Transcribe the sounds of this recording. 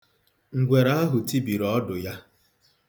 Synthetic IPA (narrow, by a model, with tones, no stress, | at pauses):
ŋ̩˨ɡʷe˨ɾa˦a˦ɦʊ˨ti˦bi˨ɾɔ˦dʊ˨ja˦